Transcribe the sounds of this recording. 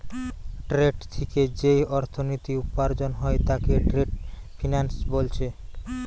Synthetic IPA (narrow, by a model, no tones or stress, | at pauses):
ʈɾeɖt̪ʰiked͡ʑejɔɾt̪ʰonit̪iupːaɾd͡ʑonɦɔet̪akeʈɾeɖfʰinansbolt͡ɕʰe